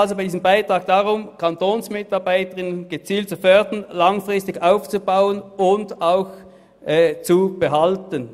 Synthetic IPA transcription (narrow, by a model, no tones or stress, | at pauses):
ɑlzobaɪdiːzəmbaɪtʁ̥ɑːɡ̚d̥ɑʁʊmkʰɑntʰoːnsmɪtɑɐbaɪtəʁɪnənnɡ̥ət͡siːlt̚t͡sufœɐd̥ənlɑŋfʁɪstɪɡaʊft͡subaʊənʊndaʊç | ʔɛːt͡sub̥əɦɑltən